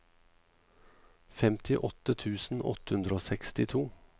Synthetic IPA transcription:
fɛmt̪ʰɪʔɔt̪ət̪ʰʉːsn̩ʔɔ̰t̪əhʉnd̪ɾəoːsɛkst̪ɪt̪ʰuː

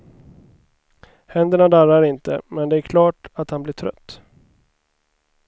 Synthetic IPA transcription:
hɛnd̪əɳad̪aɾaɾɪnt̪ə̰mɛnd̪ɛæɾkʰlɑːʈat̪hanblɪʈʰɾœ̰t̪ː

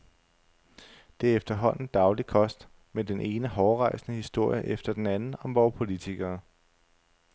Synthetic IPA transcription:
d̥e̝æɐefd̥ɐɦɒ̽n̰n̩d̥ɑ̈ʊlikʰɒ̽sd̥ | med̥enʔe̝ːnəɦɒːʁɑ̈ɪ̰snəhisd̥o̝ɐ̰jəʔefd̥ɐd̥enænn̩ɒ̽mʋɒʊpʰo̝lit͡sʰiɡ̥ɐː

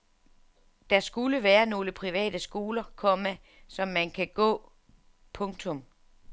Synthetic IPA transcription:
d̥ɑ̈sɡ̥uləʋæːɐno̝ːləpʰʁiʋɛ̰ːd̥əsɡ̥o̝ːlɐkʰɒ̽mæ | sɒ̽mːænkʰæɡ̥ɔ̰ː | pʰɔ̽ŋt͡sʰɔ̽m

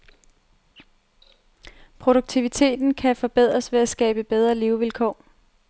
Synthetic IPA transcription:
pʰʁo̝ɾ̥oɡ̥̚t͡sʰiʋit͡sʰe̝̰ːd̥n̩kʰæfɒ̽b̥eð̞̰ˠʁɐsʋe̝æsɡ̥ɛ̰ːb̥əb̥eð̞ˠʁɐliʊʋilkʰɒ̰ː

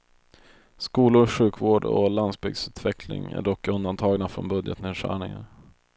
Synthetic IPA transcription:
skuːlʊɾɧʉ̟ːkvoːɖɔ̰lansbʏɡsʉ̟ːt̪ʰvɛkʰlɪ̰ŋæ̰ɖɔkːɵnd̪ant̪ʰɑːɡnafɾɔnbɵd̪jət̪neːd̪ʂæ̰ːɳɪŋa̰ɾ

